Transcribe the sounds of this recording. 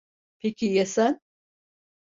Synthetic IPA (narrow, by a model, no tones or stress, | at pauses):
pʰekʲʰijɛsæn